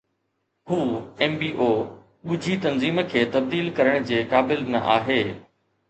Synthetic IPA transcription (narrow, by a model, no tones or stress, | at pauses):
huːɛːmbiːʔoː | ɠʊd͡ʑʱit̪ɐnziːmkʰeːt̪ɐb̚d̪iːlkɐɾəɽ̃d͡ʑeːkaːbɪlnɐ̰ʔa̰ːɦeː